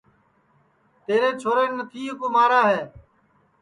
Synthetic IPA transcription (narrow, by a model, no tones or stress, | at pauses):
t̪eːɾeːt͡ʃʰoːɾeːnət̪ʰiːəkoːmaːɾaːɦeː